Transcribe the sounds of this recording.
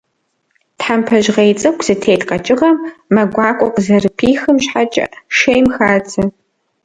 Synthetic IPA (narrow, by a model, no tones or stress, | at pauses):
tħampʰɐʒʁejt͡sʼɐkʷʰz̥ɨtʰeːtqɐt͡ʃʼɪʁɐmːɐɡʷɑːkʷʼɔqəzɐrɨpʰiːxɨmɕħat͡ʃʼɐ̰ʃejmxaːtʰɐ